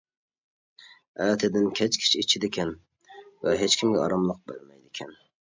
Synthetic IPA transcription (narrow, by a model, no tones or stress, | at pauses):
at̪ʰɪd̪ɪnkʲʰat͡ʃkʲʰɪ̥t͡ʃɪt͡ʃʰɪd̪ekʲʰan | vaɦet͡ʃkʲɪmɡʲaɒ̰ɾɑmlˠɨq̚bo̰lmajd̪ekʲʰan